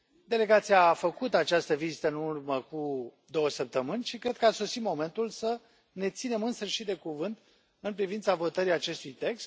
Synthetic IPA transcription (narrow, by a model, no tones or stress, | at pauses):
d̪e̞le̞ɡat̪sijaːfəkut̪at͡ʃast̪əvizit̪əɨnurməku | d̪o̞wəsəp̚t̪əmɨnʲʃikɾe̞d̪̚kəaso̞simo̞me̞nt̪ulsə | ne̞t̪sine̞mɨnsɨʃit̪d̪e̞kuvɨnt̪ | ɨnpɾivint̪savo̞t̪əɾijat͡ʃe̞st̪ujt̪e̞kst̪